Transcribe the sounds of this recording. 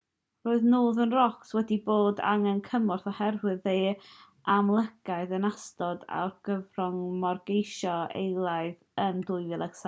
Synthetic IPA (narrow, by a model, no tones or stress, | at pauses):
roːɨðnoːðənrɔkswɛdiboːda̰ŋənkʰəmɔrθɔhɛrwɨðeː | ʔamlˠəɡ̥aɨðənastɔda̰rɡ̥əvrɔŋmɔrɡejʃɔḛjlˠaɨð | əndʊɨvɨlˠɛɡs